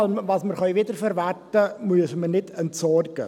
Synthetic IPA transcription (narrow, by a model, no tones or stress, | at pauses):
lmvɑːsməɾχœjvɪdəɾfɛɾværtəmʉəsmənɪtʰɛntsɔrɡ̥ə̰